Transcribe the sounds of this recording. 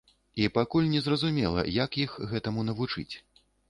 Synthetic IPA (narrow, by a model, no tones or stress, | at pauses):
ipakulʲnʲɛzrɐzumʲɛ̰lˠɐ̰jɐkixɣɛt̪ɐmunɐvut͡ʂɨ̰t͡sʲ